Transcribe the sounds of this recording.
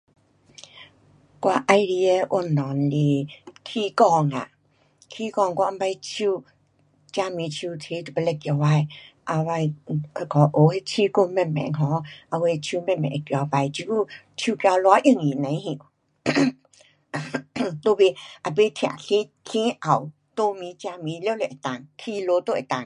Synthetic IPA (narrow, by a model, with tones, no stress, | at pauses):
kwa˧ʔa˧jɾi˧ɛ˧ʔo˧˨nɔ˨nle˧kʰi˧kɔ˧˨ŋa̰˨ | kʰi˧kɔ˧˨ŋkwa˧mba˧jt͡ʃʰu˧ | t͡ɕa˧mĩ˧˨t͡ɕʰu˧˨t̪ʰe˧˦t̪u˨pə˧lɛ˧˨kja˧˨wa˧j | ʔa˧˨wa˧jkɔ˨˦ʔo˨˦he˧t͡ɕʰi˧˦ku˧mɛ˧˨mɛ̰˨ŋɦɔ̃˨˦ʔa˧we˧t͡ɕʰi˧mɛ̃˧˨mɛ̰̃˨ʔkjpa˧jt͡ɕi˧˦ku˧˨ | t͡ɕʰi˧kja˧lwɔ˧˦ʔi˧˨ŋji˨nã˨˦hĩ˧˨ | t̪o˧be˧˨ʔa˨be˧˦t̪ʰi˧˨a̰˨ɬi˦ | ɬʰĩ˦ʔa˨˩˨w | t̪o˧mi˨˦t͡ɕa˧mi˨˧˦lle˨ʔa˨t̪a˨ŋk̪ʰi˧lo˧˦t̪o˧˨ʔa˨t̪a˨ŋ